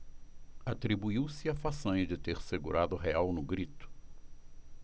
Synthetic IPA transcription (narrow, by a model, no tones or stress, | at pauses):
at̪ɾibuiwsɪafasɐ̃jd͡ʒɪt̪eɾseɡuɾad̪ʊɦeawnʊɡɾit̪ʊ̥